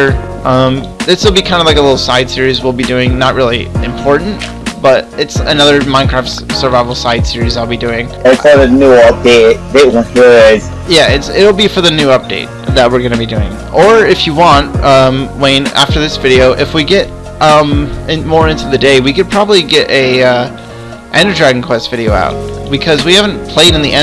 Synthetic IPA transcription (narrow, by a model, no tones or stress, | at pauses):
ə˞ | ʔʌ̃mɨsɪl̩ˠbikʰãɪ̃ndəlaɪkəlɪɾl̩ˠsaɪd̥sɪɹizwɪlˠbidʉɪ̃ŋnət̚ɹɪlˠiɨ̰̃mpʰɔɹʔn̩t | b̥ʌɾɨtsɨnʌðə˞mãɪ̃nkʰɹ̥æftsə˞vaɪvl̩ˠsaɪd̥sɪɹizaɪlˠbidʉɪ̃ŋesɔɾɨnuʌp̚d̥eɪt̚ðeɪʔ̚wə̃nəɪz̚ | jæɪtsɪɾl̩ˠbifə˞ðɨnʉʌp̚d̥eɪt̪̚ðət̚wɨɹɡʌnɨbidʉɪ̰̃ŋʔə˞ɪfjɨwɑ̃nt̚ʌ̃mwẽnæ̰ftə˞ðɪsvɪɾioʊʔɨfwiɡɛɾ | ʌ̃mɪ̃nmɔɹɪ̃ntʰʉðɨdeɪwikɨd̚pʰɹ̥ɑbəbliɡɛɾʔɨʌ | ʔæ̃ndə˞dɹæɡɪ̃ŋkʰw̥ɛstv̥ɪɾioʊa̰ʊt̚b̥ɨkʰʌzwihæṽn̩pʰl̥eɪɾɨ̃nðiʔɛ̃